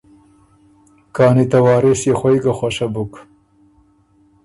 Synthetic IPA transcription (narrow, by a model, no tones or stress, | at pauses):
kɑːnit̪awɑːɾɪsjexwajkaxwaʃabʊk